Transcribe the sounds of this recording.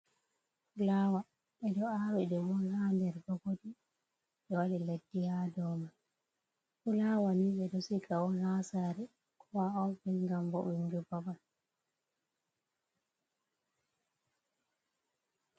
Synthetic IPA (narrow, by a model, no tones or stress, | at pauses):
ulaːwa | ɓɛɗɔawɛɗɛmɔnhandɛɾɡɔɡodi | ɓɛwaɗiledːihadɔma | kulawaniɓɛɗɔsikawɔnhasaːɾɛ | kʰɔwaɔbɛnŋɡambɔ̰ʔund͡ʒubaban